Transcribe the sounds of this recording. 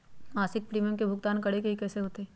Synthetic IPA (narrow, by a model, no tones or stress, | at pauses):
maːsɪk̚pɾiːmjəmkebʱʊɡt̪aːnkɐɽekeikɛːseɦoːt̪eː